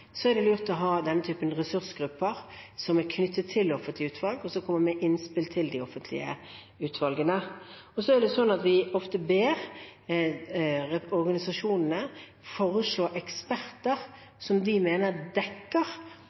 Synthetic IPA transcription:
sɔæɾd̪ɛlʉːʁt̪ɔɦɑːd̪ɛnːət̪ʰyːpənʁɛsʉɾsɡɾʉpːəɾsɔmæɾkʰnʏt̪ʰːət̪ʰːɪlːɔfənt̪lɪʉːt̪ʰʋɑlɡɔsɔkʰɔmːəɾmɛʔɪnspɪlt̪ʰɪld̪ɪɔfənt̪ʰlɪ̰ə̰ | ʉːt̪ʰʋɑlɡənəɔsɔæɾd̪ɛsɔnːɑt̪ʋɪɔft̪əbeːɾ | ɛɔɾɡɑnɪsɑʂuːnənə | foːɾəʂɭoːʔɛkspæɾt̪əɾ | sɔmd̪ɪmeːnəʁd̪ɛkːəɾ

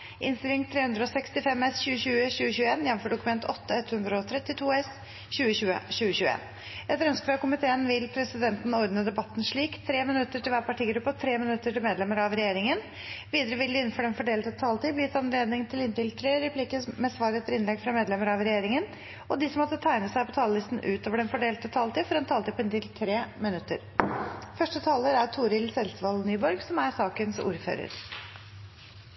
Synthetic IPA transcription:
ʔɪ̰nst̪ɪlɪŋt̪ʰɾeːhʉnd̪ɾəɔsɛkst̪ɪfɛmɛsçʉːəɕʉːəɕʉːəɕʉːəeːnjɛnːɔm̩fɔɖʊkʉmɛnt̪ʰɔt̪ːəɛt̪ːhʉnd̪ɾəɔt̪ʰɾɛt̪ːɪt̪ʰuːɛs | ɕʉːəɕʉːə̰ɕʉːəɕʉːəḛːn | ɛt̪ɾœnskɾɑkʊmɪt̪ʰeːənʋɪlpʰɾɛsɪd̪ɛnt̪n̩ɔɾd̪nəd̪ɛbɑt̪ːn̩ʂɭiːkt̪ʰɾeːmɪnʉt̪ːəʈɪlʋæːɾpɑʈiːɡɾʉpːət̪ʰɾeːmɪnʉt̪ːəʈɪlmeːd̪lɛməɾɑʋɾɛjeːɾɪŋən | ʋiːd̪əɾəʋɪld̪ɪɪnn̩fɔɖɛnfɔɖeːlt̪ət̪ʰɑːlt̪iːblɪt̪ɑnleːd̪nɪŋt̪ʰɪlɪnt̪ɪlt̪ʰɾeːɾɛpʰliːkəmɛsʋɑːɾət̪ʰəɾɪnlɛɡfɾɑmeːd̪lɛməɾɑʋɾɛjeːɾɪŋən | ɔd̪ɪsɔmːɔt̪ːət̪ʰæɪnəsæɪpɔt̪ʰɑːləlɪst̪n̩ʔʉ̰ːt̪oːʋəɖɛnfɔɖeːlt̪ət̪ʰɑːlt̪iːfɔɾɛnt̪ʰɑːlt̪iːpɪnt̪ɪlt̪ʰɾeːmɪnʉt̪ːə̰ɾfœʂʈət̪ʰɑːləɾæɾt̪ʰuːɾɪlsɛlsʋɑlnyːbɔɾɡsɔmæɾsɑːkənsṵːɾfø̰ːɾə̰ɾ

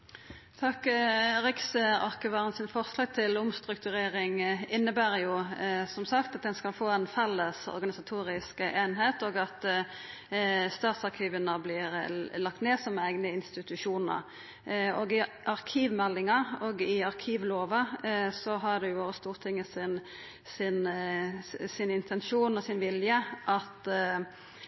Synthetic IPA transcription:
t̪ʰɑkːʁɪksəɑ̰ʁkəʋɑʁənsɪnfɔʁslɑːɡ̚t̪ʰɪlʊmst̪ʁʉkt̪ʉʁeːɾɪŋɪnːəbæːʁjʊsɔmsɑkt̪ɑt̪̚d̪ɛnskɑlfoːɛnfɛlːəsɔ̰ʁɡɑnɪsɑt̪ʰuːɾɪskeːnɦeːt̪oːɡɑt̪ | st̪ɑːt̪sɑʁkʰiːʋənəblɪʁlɑk̚t̪neːsɔmæɪɡnəɪnst̪ɪt̪ʉʂuːnə̰ɾ | ɔɡɪʔɑʁkʰiːʋmɛlːɪŋɑɔɡɪɑʁkʰiːʋloːʋɑsɔɦɑdɛjʊst̪uːʁt̪ʰɪŋːəsɪn | sɪn | sɪnɪnt̪ʰɛnʃuːnɔsɪnʋɪljəʔɑt̪

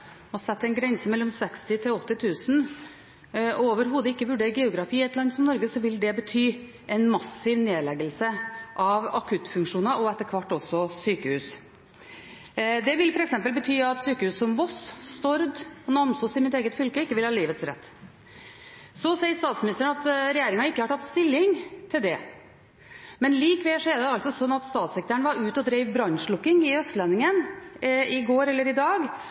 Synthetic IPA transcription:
ɔsɛt̪ːɛnɡɾɛnsəmɛlːɔmsɛkst̪ɪt̪ʰɪlɔt̪ːɪt̪ʰʉːsn | ɔoːʋəɾɦuːd̪əɪkːəʋʉɖeːɾəɡɛʊɡɾɑfiːɛt̪ʰlɑnd̪sɔmnɔɾɡəsɔʋɪld̪ɛbət̪ʰyː | ɛnmɑsɪʋneːdlɛɡəlsəʔɑʋɑkʰʉt̪fʉŋkʂuːnɑʔɔɛt̪ːəɾkʰʋɑʈːɔsɔsyːkəhʉːs | d̪ɛʋɪlfɔɾɛksɛmpəlbət̪ʰyːɑt̪syːkəhʉːssɔmʋɔsst̪ɔɾd̪ɔnɑmsɔsɪmɪt̪eːɡət̪fʏlkəɪkːəʋɪlhɑːliːʋət̪sɾɛ̰t̪ː | sɔsɛɪɾst̪ɑːt̪smɪnɪst̪əɳɑt̪ɾɛjeːɾɪŋɑɪkːəhɑʈʰɑt̪ːst̪ɪlːɪŋt̪ʰɪld̪ɛ | mɛnliːkʋɛːʂɔɛɾɖ̪ɛɑlt̪sɔsɔnːɑt̪st̪ɑːt̪sɛk̚t̪əɳʋɑɾʉːt̪ɔd̪ɾeɪʋbɾɑnʂlʊkːɪŋɪœst̪lɛnɪŋən | ɪɡoːɾɛlːəɾɪd̪ɑːɡ

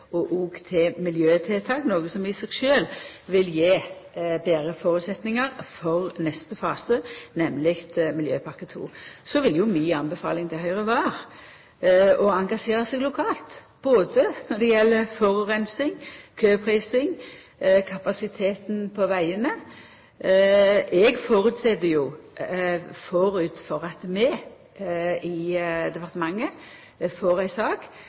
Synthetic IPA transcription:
ɔʔuːɡt̪ʰɪmɪljøːt̪ʰɪlt̪ʰɑːknoːɡəsɔmɪsɛɡʃøːlʋɪljeːbeːɾəfoːɾʉːt̪sɛt̪nɪŋɑɾfɔʁnɛst̪əfɑːsənɛmlɪkt̪mɪljøːpʰɑɾkət̪ʰṵːsɔʋɪljʊmyːɑnbəfɑ̰ːlɪŋt̪ʰɛhœʏʁəʋɑːʁ | ɔɑŋɡɑʂeːɾɑsɛɡlʊkʰɑːlt̪ | b̥oːd̪ənɔd̪ɛjɛlːəfɔɾʉʁɛnsɪŋkʰøːpʰɾiːsɪŋ | kʰɑpɑsɪt̪ʰeːt̪n̩pʰɔʋæɪənə | ʔɛɡfoːɾʉːt̪sɛd̪əjʊ | fɔɾʉːt̪fɔʁɑt̪mɛ | ɪd̪ɛpɑʁt̪mɑŋːə | foːɾæɪsɑːɡ

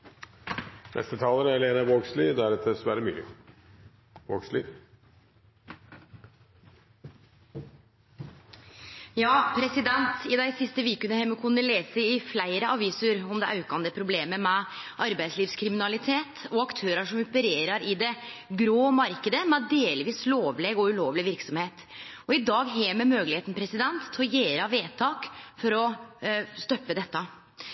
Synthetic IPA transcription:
nɛ̰st̪ət̪ʰɑːləɾɛleːnəʋoːɡslid̪ææɾɛt̪̚d̪ɛsʋæɾəmy̰ːlɪ̰ | ʋo̰ːɡslḭ | jɑːpʰɾɛsɪd̪ɛnt̪ɪd̪æɪsɪst̪əʋiːkʉnəhɛməkʰʊnəleːsəɪflæɪɾəʔɑʋiːsəɾɔmd̪ɛʔɑʉkɑnd̪əpʰɾʊbleːməmɛʔɑɾbæɪsliːʋskʰɾɪmɪnɑlɪt̪ʰeːt̪ɔɑkt̪ʰøːɾəʂɔmʊpəɾeːɾəɾɪd̪ɛ | ɡɾoːmɑɾkəd̪əmɛd̪eːlʋiːsloːʋleːɡɔʉloːʋlɪʋɪɾksɔmheːt̪ | ɔɪd̪ɑːɡɦeːmɛmøːɡəlheːt̪n̩pʰɾɛsɪd̪ɛnt̪ʰːɔjeːɾɑʋeːt̪ʰɑːkfɔɾɔ | st̪œpːəd̪ɛt̪ːə

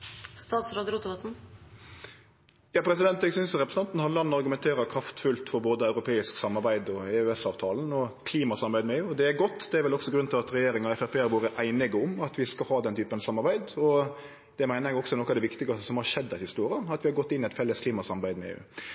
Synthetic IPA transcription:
st̪ɑːt̪sɾoːd̪əɾuːt̪əʋɑt̪n̩ | jɑːpʰɾɛsɪd̪ɛnt̪ɛɡsʏnsjʊɾɛpɾɛsn̩ɑnt̪n̩hɑnlɑnːəɑɾɡʉmɛnt̪ʰeːɾɑkʰɾɑft̪fʉlt̪fɔɾboːd̪əɑʉɾʊpʰeːɪsksɑmːɑɾbæɪd̪ɔɛøɛsɑːʋt̪ʰɑːln̩ɔkʰliːmɑsɑmbæɪd̪mɛeːʉd̪ɛæɾɡɔt̪ːd̪ɛæɾʋɛlɔksɔɡɾʉnɪlɑt̪ɾɛjeːɾɪŋɑɛfæpʰeːæɾʋuːɾəʔæɪnɪɡəʊmɑt̪ʰʋɪskɑlhɑːd̪ɛnt̪yːpənsɑmːɑɾbæɪd̪ɔ | d̪̥ɛmæɪnəɾjɛɡɔksɔnɔkɑʋd̪ɛʋɪkt̪ɪɡəəsɔmhɑɾʂɛd̪ːɛt̪hɪst̪uːɾɪɑɑt̪ʋɪhɑɾɡɔt̪ːɪnːɪɛt̪fɛlːəskʰliːmɑsɑmbæɪd̪mɛḛːʉ̰ː

